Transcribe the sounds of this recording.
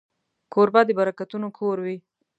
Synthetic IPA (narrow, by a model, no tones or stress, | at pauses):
koɾbɑd̪əbaɾakat̪unokʰoɾwi